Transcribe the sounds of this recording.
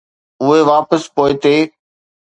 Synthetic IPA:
ʊɦeʋaːpəspoːɪt̪eː

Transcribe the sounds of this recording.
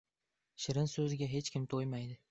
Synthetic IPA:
ʃɪɾɪnsɵzɪɡʲaɦe̞t͡ʃkʲɪmt̪ʰojmajd̪ɪ

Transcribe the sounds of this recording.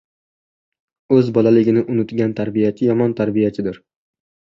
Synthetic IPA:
ɵzbɒlalɪɡʲɪnɪʔʊnʊt̪ɡʲant̪ʰaɾbijat͡ʃʰɪjɒmɒnt̪ʰaɾbijat͡ʃʰɪd̪ɪɾ

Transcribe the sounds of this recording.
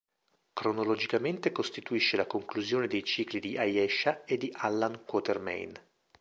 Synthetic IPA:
kɾonolod͡ʒikament̪ekost̪it̪uiʃːelakoŋkluzjoːned̪ejt͡ʃiːklid̪iʔajɛʃːaed̪ːiʔalːankwɔːt̪ermɛ̰jn

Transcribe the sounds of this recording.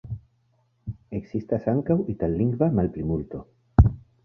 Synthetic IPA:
e̞kz̥istasaŋkawitalːiŋɡvamalplimulto̞

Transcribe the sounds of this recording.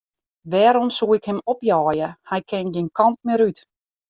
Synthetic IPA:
ʋɛːɾɔmsuːɪkhɛmɔpjɔːjəhɛjkʰɛnɡinkʰɑnt̚mɪɾyt

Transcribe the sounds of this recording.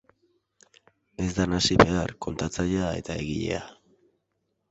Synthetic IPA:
e̞zd̪anasiβe̞arko̞nt̪at͡saʎeae̞t̪ae̞ɣiʎe̞̰a

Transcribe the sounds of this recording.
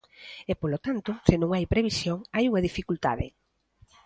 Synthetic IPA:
ɛpolot̪ant̪ʊsɪnõŋajpɾeβisjoŋajuŋɐðifikult̪a̰ðɪ̰

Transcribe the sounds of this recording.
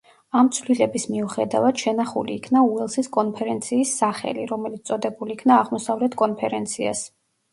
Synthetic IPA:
amt̪sʰvlilɛbismiuχɛd̪avad̪̥ʃɛnaχuliːkʰnauɛlˠsiskʼɔnpʰɛɾɛnt̪sʰiːsːaχɛ̰liɾɔmɛlit̪st̪sʼɔd̪ɛbuliːkʰnaːʁmɔsavlɛt̪ʰkʼɔnpʰɛɾɛnt̪sʰia̰s

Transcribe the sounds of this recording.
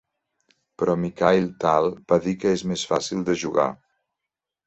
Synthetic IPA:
pɾɔmikajlt̪alˠb̥aðikəezmesfasilˠd̪əʒuɣa̰

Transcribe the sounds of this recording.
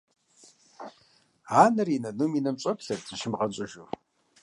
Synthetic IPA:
aːnɐrinɐnuminɐmɕʼɐpɬɐrt͡sʼɨʃɪmʁɐt͡ɕʼʊʒur

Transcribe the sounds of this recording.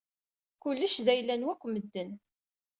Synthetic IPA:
kʊlːəʃðæjlːænwækʷːməd̪ːən

